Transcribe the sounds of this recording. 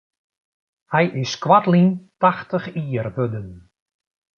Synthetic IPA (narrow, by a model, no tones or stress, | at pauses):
hɛjʔɪskwatlintaxtəxiːərʋødən